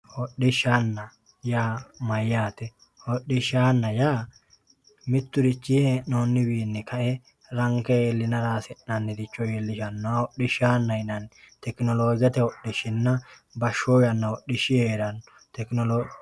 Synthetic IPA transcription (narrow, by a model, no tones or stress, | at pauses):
wɔɗːɪʃanːɐ | jaːmɐjːaːt̪ɛ | ɔɗːɪʃaːnːɐjaː | mɪt̪ːʊɾɪt͡ʃːɪenoːnːɪbiːnːɛkʰɐʔɛ | ɾɐŋkɛjeːlːɪnɐɾaːsɛʔnɐnːɛd̪ɪt͡ʃːɔjeːlːɪʃɐnːɔɔɗːɪʃaːnːɐjnɐn | t̪ɛknɔloːɡɐt̪ɛwɔɗɪʃɪnːɐ | bɐʃojɐnːɐwɔɗːɪʃɪjeːɾɐn | t̪ɛknɔlo